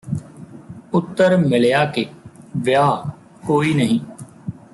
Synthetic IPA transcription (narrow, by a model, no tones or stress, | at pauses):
ʊt̪ːəɾmɪljaːkeːʋjaː | koːiːnəɦĩː